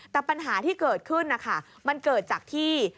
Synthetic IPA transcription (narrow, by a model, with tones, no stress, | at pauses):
t̪ɛː˨˩pa˧nɦaː˩˦t̪ʰiː˥˩kɤː˨˩t̪̚kʰɯ˥˩nːa˦˥˩kʰa˥˩ | ma˧nkɤː˨˩t̪̚t͡ɕaː˨˩k̚t̪ʰiː˥˩